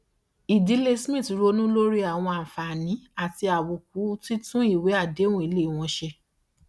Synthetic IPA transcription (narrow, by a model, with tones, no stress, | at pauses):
i˨di˨˦le˦smĩ˦˨tɾo˧˦nũ˦lo˦ɾi˦a˦˨w̃ɔ̃˧ã˨fa˨nĩ˨˦a˨ti˧a˨wu˨k̚u˨˦ti˦tũ˦i˦˨we˨˦a˦˨dẽ˨˦ũ˦i˨˦le˦˨w̃ɔ̃˧ʃe˧